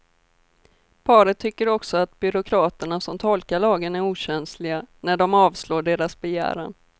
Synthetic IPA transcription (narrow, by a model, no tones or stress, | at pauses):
pʰɑːɾət̪ʰːʏkːəɾɔksɔat̪bʏɾʊkʰɾɑːt̪əɳasɔmt̪ʰɔlkaɭɑːɡənæɾuːɕɛnslɪɡanæɖɔmɑːvsloːɖeːɾasbɛjæ̰ːɾa̰ɳ